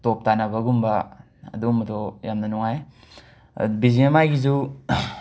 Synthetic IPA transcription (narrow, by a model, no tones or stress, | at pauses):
top̚tanɐbɐɡumbɐ | ɐ̰dumɐdojamnɐnuŋaj | biziɐmajɡizu